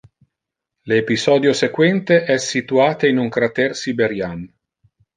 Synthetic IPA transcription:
leːpisɔːd̪josekwɛnt̪eʔɛsːit̪uaːt̪einuŋkɾat̪ɛrsibeɾjan

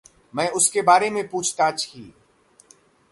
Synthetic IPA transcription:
mɛ̃ːʊskebaːɾemẽpuːt͡ʃʰt̪at͡ʃʰiː

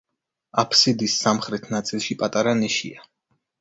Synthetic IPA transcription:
apʰsid̪isːamχɾɛt̪ʰnat̪sʼilˠʃipʼat̪ʼaɾaniʃḭa

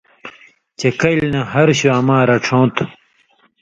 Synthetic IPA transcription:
t͡ɕekɐjlnɐɦɐɾɕuɐmaːɾɐʈ͡ʂʰõːt̪ʰ

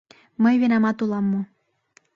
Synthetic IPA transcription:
məjβenɑmɑt̪ulˠɑmːu

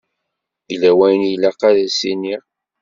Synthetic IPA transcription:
ilæwæjənjlːæqaðæsiniʁ

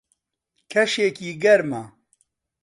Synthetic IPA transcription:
kʰɐʃeːkiːɡɐɾmɐ

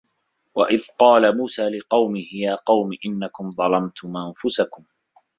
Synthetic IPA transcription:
waʔɪðqɑːlamuːsaːlɪqɑwmɪhɪjaːqɑwmɪʔɪnːakʊmðˤɑlɑmt̪ʰʊmʔanfʊsakʊm

